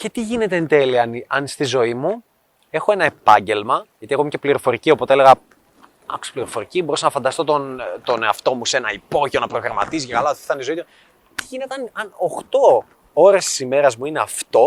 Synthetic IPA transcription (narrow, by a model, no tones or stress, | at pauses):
ce̞t̪iʝine̞t̪eent̪eliɐnɐnst̪izo̞imu | e̞xoe̞nɐe̞pɐɲɟe̞lmɐʝɐt̪iɐkomce̞pliɾo̞fo̞ɾicio̞pot̪eeleɣɐ | ɐ̰ksi̥pliɾo̞fo̞ɾicibo̞ɾusɐnɐfɐnd̪ɐst̪o̞t̪ont̪o̞neɐft̪o̞muse̞nɐipo̞ʝio̞nɐpɾoɣɾɐmɐ̰t̪izicekɐlɐ̥θɐnizo̞it̪o | t̪iʝine̞t̪eɐnɐnoxt̪o̞ | o̞ɾe̞st̪i̥sime̞ɾɐzmuine̞ɐft̪o̞